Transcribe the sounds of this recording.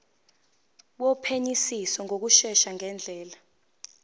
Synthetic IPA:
wɔpʰeɲisisɔŋʱok̬uʃɛʃaŋɛnd͡ɮʱɛːla

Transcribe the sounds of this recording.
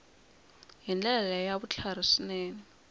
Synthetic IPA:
ɦind͡ɮɛlalajaβut͡ɬʰar̤isinɛːni

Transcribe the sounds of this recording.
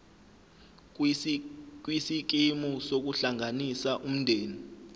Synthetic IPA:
k̬wisik̬imusok̬uɬaŋʱanisaʔum̩ndʱeːni

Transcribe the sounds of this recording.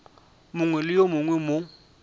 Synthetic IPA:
mʊŋwɛlɪjomʊŋwɛmo

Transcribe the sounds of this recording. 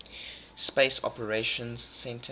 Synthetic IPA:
speɪsɔ̰pəɹeʃə̃nz̥sɛ̃ntʰə

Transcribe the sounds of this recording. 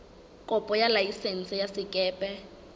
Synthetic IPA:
kʼɔpʼɔjalaisen̩t͡sɛjasɪkʼɛːpʼɛ

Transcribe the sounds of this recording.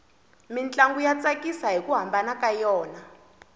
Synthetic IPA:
mint͡ɬʼaŋɡujat͡sʼakʼisaɦikuɦambanakʼajɔːna

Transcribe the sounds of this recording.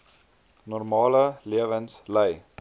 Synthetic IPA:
nɔrmɑːləliəvənsləj

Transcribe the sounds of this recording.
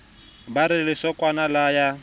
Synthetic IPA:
baɾɪlɪsɔkʼwanalaja

